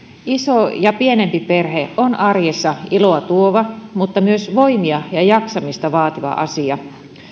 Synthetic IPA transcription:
isojɑpienempipe̞rɦeonʔɑrjesːɑiloɑt̪uoʋɑmut̪ːɑmyøsʋoimiɑjɑjɑksɑmist̪ɑʋɑːt̪iʋɑ̰ʔɑ̰siɑ

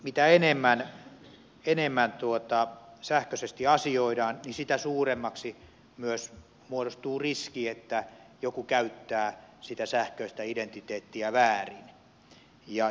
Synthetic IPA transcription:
mit̪æenemːæn | enemːænt̪uot̪ɑsæhkøsest̪iɑsioidɑːnnisit̪æsuːremːɑksi | myøs | muoɾost̪uːriskiet̪ːæjokukæyt̪ːæːsit̪æsæhkøist̪æident̪it̪eːt̪ːiæʋæːrin | jɑ

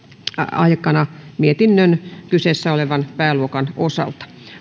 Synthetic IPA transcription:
ɑ̰ikɑnɑmiet̪inːønkyseːsːæoleʋɑnpæːluokɑnosɑ̰lt̪ɑ̥

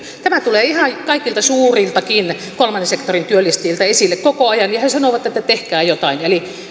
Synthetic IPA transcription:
t̪æmæt̪uleːihɑjkɑikilt̪ɑsuːrilt̪ɑkin | kolmɑnːesekt̪orint̪yølist̪iːlt̪ɑesilːekkokoɑjɑnjɑhesɑnoʋɑt̪ːet̪ːæt̪ehkæːjot̪ɑineli

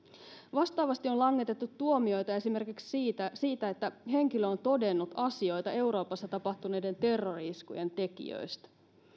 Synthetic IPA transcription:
ʋɑst̪ɑːʋɑst̪io̞lɑŋːet̪e̞t̪ːut̪ːuomio̞jt̪ɑe̞sime̞rkiksiːt̪æsiːt̪æet̪ːæɦe̞ŋk̟iløont̪o̞de̞nːut̪ɑsio̞jt̪ɑe̞wɾo̞ːpɑsːɑt̪ɑpɑht̪une̞jde̞nt̪e̞rːo̞riskṵje̞nt̪e̞kḭø̰jst̪æ̥

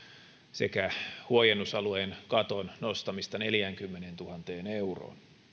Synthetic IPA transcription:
se̞̰kæhuojenːusɑluenkɑt̪onno̞st̪ɑmist̪ɑne̞ljæŋkymːenent̪uhɑnt̪e̞ːne̞uro̰ːn

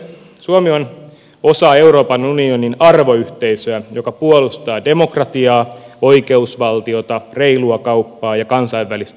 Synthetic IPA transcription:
suomion | o̞sɑe̞uɾo̞ːpɑnunioninɑrʋo̞yht̪e̞isøæjokɑpuolust̪ɑːde̞mo̞krɑt̪iɑːo̞ike̞usʋɑlt̪io̞t̪ɑre̞iluɑkɑupːɑːjɑkɑnsɑiʋʋːælist̪

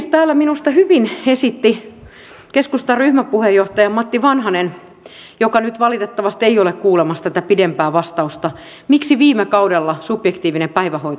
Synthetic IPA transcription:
st̪æːlːæminust̪ɑhyʋinesit̪ːi | keskust̪ɑryhmæpuhejːoht̪ɑjɑmɑt̪ːiʋɑnhɑnen | jokɑnyt̪ʋɑlit̪et̪ːɑʋɑst̪eiolekkuːlemɑst̪æt̪æpidempæːʋɑst̪ɑust̪ɑ | miksiʋiːmekɑudelːɑsupjekt̪iːʋinepæiʋæhoit̪

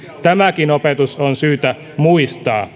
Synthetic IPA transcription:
t̪æmækinopet̪usonsyːt̪æ | muist̪ɑː

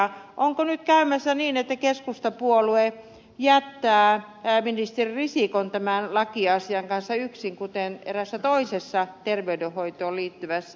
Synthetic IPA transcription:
ʔoŋkonyt̪kæymæsːæniːnet̪ːækeskust̪ɑpuolue | jæt̪ːæː | æminist̪eririsikont̪æmænlɑkiɑsiɑŋkɑnsːɑyksiŋkut̪enḛræsːæt̪oisesːɑt̪erʋeydehoit̪oːliːt̪ːyʋæsːæ

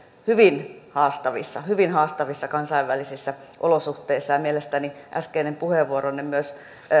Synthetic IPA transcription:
hyʋinhɑːst̪ɑʋisːɑhyʋinhɑːst̪ɑʋisːɑkɑnsɑiʋːælisisːæʔolosuht̪eisːɑjɑmielest̪æniʔæ̰skeinempuheʋːuoronːemmyøs

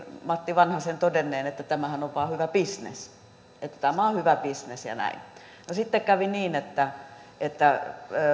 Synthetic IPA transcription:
mɑt̪ːiʋɑnhɑsent̪odenːˑeːnet̪ːæt̪æmæhænoʋʋɑːhyʋæpisnḛs | et̪ːæ̥t̪æmæohyʋæpisnesjɑ̰næ̰in | nosit̪ːekkæʋiniːnet̪ːæet̪ːæ

